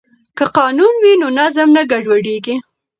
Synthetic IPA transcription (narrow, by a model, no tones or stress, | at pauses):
kəqɑnunwinonazamnaɡaɖwaɽeɡi